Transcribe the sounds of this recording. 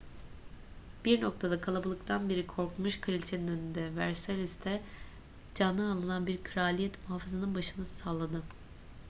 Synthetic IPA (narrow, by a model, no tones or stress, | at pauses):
b̥iɾno̞k̚t̪ʰad̪akʰalˠabɯlˠɯkt̪ʰanbeɾikʰo̞ɾkmuʃkʰɯɾilʲt͡ʃʰe̞ninø̞nynd̪ɛvæɾselʲist̪ʰɛ | d͡ʒanːɯalˠɯnanbiɾkʰɾaːlʲijɛt̪muɦaːfɯzanɯnbaʃɯnɯsaːlˠad̪ɯ